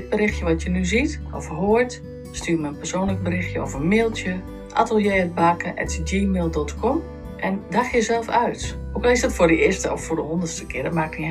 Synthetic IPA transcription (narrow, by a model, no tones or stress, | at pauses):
ɪt̚bəɾɪxtjəʋɔtʰjənyzitɔ̰fɦoəɹt | styːmɛjənpɛrsoːnlək̚bəɾɪxjəɔ̰fənmeːlˠtjə | ʔa̰təlˠjeːəbaːkəʔɛ̰td͡ʒiːmeːlˠdɔtkʰɔm | ʔɛndaxjəzɛlˠfœɥtʔokɔlˠɪsdɔtfʊɹdəɪstəɔ̰fːʊdəhondərstəkɪədətmak̚ni